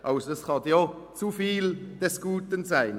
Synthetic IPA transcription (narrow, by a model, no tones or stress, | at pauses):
ʔɑʊsdəskɑd̪jot͡sufiːld̪̥ɛsɡ̥uːt̪ənsæɪn